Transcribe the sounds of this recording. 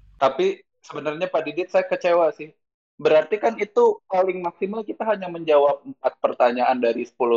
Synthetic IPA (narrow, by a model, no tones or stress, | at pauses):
t̪api | səbənarɲapadidɪt̪̚sajakət͡ʃewasɪh | bəɾart̪ikanit̪upalɪŋmaksimalkit̪aɦaɲaməɲd͡ʒawap̚əmpat̪̚pərt̪aɲaʔandaɾisə̥pulʊ